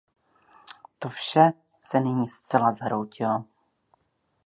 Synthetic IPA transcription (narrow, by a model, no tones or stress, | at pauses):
t̪ofʃɛ | sɛnɪɲiːst͡sɛlazaɦɾowcɪlo